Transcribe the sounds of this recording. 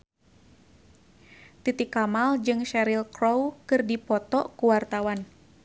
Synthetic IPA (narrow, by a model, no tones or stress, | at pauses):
t̪it̪ikamald͡ʒɨŋʃɛɾilkɾowkɨrdipɔt̪ɔkuwart̪awan